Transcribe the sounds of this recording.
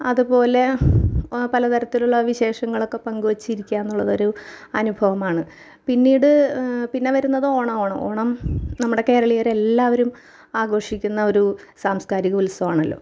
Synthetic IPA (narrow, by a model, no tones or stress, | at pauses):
ɐðupo̞ːle̞ | pɐlɐt̪ɐɾɐt̪ːiluɭːɐʋiɕe̞ːʂɐŋːɐɭokːe̞pɐŋɡuʋɐt͡ɕːiɾikʲːaːenːuɭːɐðo̞ɾuɐnubʱɐʋɐmaːɳɨ | pinːiːɽɨpinːe̞ʋɐɾunːɐðɨoːɳɐoːɳɐ̰mo̞̰ːɳɐmnɐmːuɽe̞ke̞ːɾɐɭijaɾe̞lːaːʋɐɾum | aːɡo̞ːʂikʲːunːɐo̞ɾusaːmskaːɾiɣɐulɐsɐʋaːɳɐlːo̞̰ː